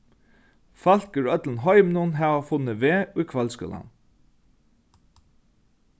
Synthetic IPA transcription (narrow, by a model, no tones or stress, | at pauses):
fɑlkəɹœt̪ln̩hɔʏmnuːnɦɑːʋəfʊnəʋeːuɪkʰʋɛlskʏ̰lə̰n